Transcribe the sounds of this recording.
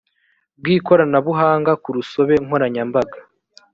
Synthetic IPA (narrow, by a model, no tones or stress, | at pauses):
b̚ɡiːko̞ɾanaβuɦaːŋɡakuɾuso̞βe̞ŋoɾaɲambaɡḁ